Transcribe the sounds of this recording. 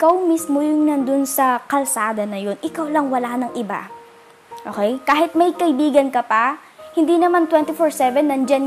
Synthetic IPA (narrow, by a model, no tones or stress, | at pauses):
ʔɪkawmismojʊŋnɐnd̪onsɐkɐlsaːd̪ɐnɐjo̞nʔɪkawlɐŋwɐlanɐŋʔɪba̰ | ʔoːkɛjkaːhɦɪt̪̚mɐjkɐɪbiːɡɐnkɐpɐ | hɪnd̪inɐmant̪wɛnt̪ifoɹsɛvɛnːɐnd͡ʒan